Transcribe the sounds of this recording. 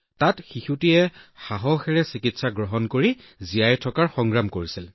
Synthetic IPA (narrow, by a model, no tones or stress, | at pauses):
tatxixutiɛxaɦɔxɛɹɛsikitsaɡɹɔɦɔnkoɹi | zijajtʰɔkaɹxɔŋɡɹamkoɹisil